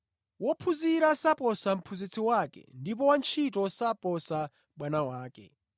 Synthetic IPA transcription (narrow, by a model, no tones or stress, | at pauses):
wɔpʰuziɾasapɔsam̩pʰuzit͡sʰiwakɛ̰ndip̬ɔwant͡ʃʰitɔsapɔsa | ɓwanawaːkɛ̰